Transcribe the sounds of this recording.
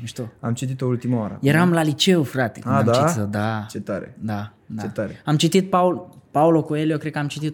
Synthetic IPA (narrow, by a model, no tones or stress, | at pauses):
iʃt̪oamt͡ʃit̪it̪oult̪imaoaɾə̰jeɾamlalit͡ʃeufɾat̪ḛkɨnaad̪aiisəd̪at͡ʃet̪aɾḛd̪a | d̪aet̪aɾeamt͡ʃit̪it̪̚paulpaulokoelijokɾe̥kəamt͡ʃit̪it̪